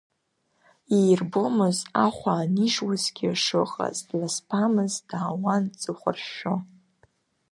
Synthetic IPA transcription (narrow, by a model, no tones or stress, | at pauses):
ijrbomɨzaχʷaːniʒwazɡʲiaʂɨqʼa̰zdlaspʰamɨzd̥aːwant͡sʼɨχʷə̰rʃo